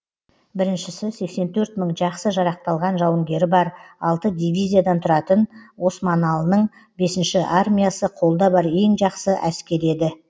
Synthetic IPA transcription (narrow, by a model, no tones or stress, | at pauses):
bɪɾɪnʃɪsɪse̞kse̞nt̪ʰɵɾt̪məɴʒɑqsəʒɑɾɑq̚t̪ɑlˠʁɑnʒɑwəŋɡʲe̞ɾɪbɑɾɑlˠt̪əd̪ijvʲijzijad̪ɑnt̪ʰʊɾɑt̪ənwo̞smanalˠənəɴ | be̞sɪnʃɪʔarmʲijasəqʰo̞lˠd̪ɑbɑɾe̞ŋʒɑqsəʔæskʲe̞ɾe̞d̪ɪ